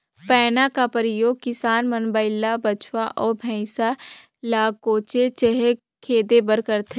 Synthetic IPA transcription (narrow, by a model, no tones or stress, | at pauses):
pɛːnakapəɾɪjoːɡ̚kɪsaːnmənbəɪlːabət͡ʃʰwaʔɔːɾbʱɛ̃ːsa | laːɡkoːt͡ʃet͡ʃəɦe | kʰeːd̪ebəɾkəɾt̪ʰe